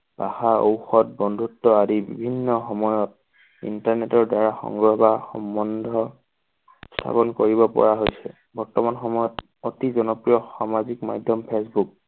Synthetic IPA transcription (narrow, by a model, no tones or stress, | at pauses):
b̥axao̰wxɔt̚bɔndʱutːɔadibḭbʱinːɔxɔmɔjɔt̚ | ḭntaɹnetɔɹdaɹaxɔ̰ŋɡɹɔɦɔbaxɔ̰mbɔndʱɔ | stʰa̰pɔnkoɹibɔpɔ̰ɹaɦojsɛ̰ | bɔɹtɔmanxɔmɔjɔt | otizɔnɔpɹijɔxamazikma̰dʱjɔmpʰesbuk̚